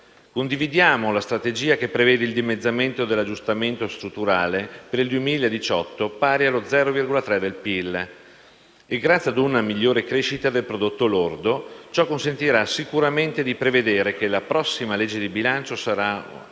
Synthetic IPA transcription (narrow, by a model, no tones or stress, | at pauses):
kond̪ivid̪jaːmolast̪ɾat̪ed͡ʒiːakepːɾevɛːd̪eild̪imed̪zːament̪od̪elːad͡ʒːust̪ament̪ost̪ɾut̪ːuɾaːlepeɾild̪uemiːlaed̪it͡ʃɔt̪ːopaːɾjalod̪zɛːɾovirɡolat̪ɾɛd̪elpilː | eɡɾat̪sjiad̪unamiʎːoːɾekɾeːʃit̪ad̪elpɾod̪ot̪ːolord̪ot͡ʃɔkːonsent̪iɾasikuɾament̪ed̪ipɾeved̪eːɾek̟elapɾɔsːimaled͡ʒːed̪ibilant͡ʃosaɾa